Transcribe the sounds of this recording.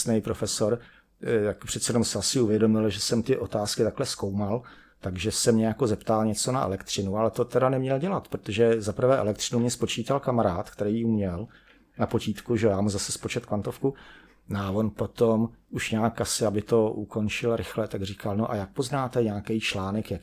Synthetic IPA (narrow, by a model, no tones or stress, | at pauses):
snejpɾofɛso̞ɾ | jakpr̝̥ɛt̪sɛjɛnomsɪasɪuvjɛdo̞mɪlʒɛsɛmt̪ɪʔot̪aːskɪt̪aklɛsko̞wmal | t̪aɡʒɛsɛmɲɛjako̞zɛpt̪alɲɛt͡so̞naɛ̰lɛkt̪r̝̥ɪnualɛt̪o̞t̪ɛdanɛmɲɛlɟɛlat̪pɾot̪oʒɛzapɾ̩vɛːʔɛ̰lɛkt̪rɪnumɲɛspo̞t͡ʃiːt̪alkamaɾaːt̪kt̪ɛɾiːumɲɛl | napo̞ciːt̪kuʒɛojaːmuzasɛspo̞t͡ʃɛt̪kvant̪ofku | noavo̞npo̞t̪omʔuʃɲaːkʔasɪabɪt̪o̞ʔuko̞nt͡ʃɪlɾɪxlɛt̪aɡriːkalnoʔajak̚poznaːt̪ɛɲaːkɛjt͡ʃlaːnɛkjak